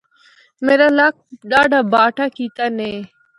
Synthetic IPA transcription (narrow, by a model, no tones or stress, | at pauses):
meːɾaːlaːk̚ɗaːɖaːbaːʈʰaːkiːt̪aːneː